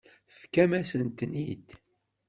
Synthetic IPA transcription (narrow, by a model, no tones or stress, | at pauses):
fkːæmæsənt̪ːənḭd̪